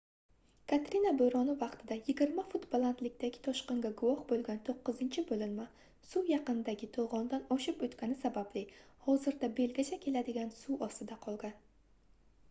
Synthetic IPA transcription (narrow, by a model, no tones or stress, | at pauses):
kʰat̪ɾɪnaboɾɒnɪvɑqt̪ʰɪd̪ajɪɡʲɪɾmafʊt̪bolˠant̪lɪk̚ʲt̪aɡʲɪ̥t̪ʰɒʃqɑŋɡʲaɡʊwɒhbolˠɡʲant̪ʰoqːɨzɪnt͡ʃʰɪbolɪnma | sujɑqɨnɪd̪aɡʲɪt̪ʰolˠʁɒnd̪anɒʃɪpot̪kʲanɪsabablɪhɒzɪɾd̪abe̞lɡʲat͡ʃʰakʲʰe̞lad̪ɪɡʲansuʔɒst̪ɪd̪aqʰɒlˠɡʲan